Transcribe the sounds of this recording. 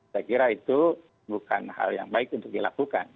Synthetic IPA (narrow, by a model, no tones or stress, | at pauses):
sajkiɾait̪u | buka̰nha̰lja̰ŋbaɪkunt̪ʊk̚dilakuka̰n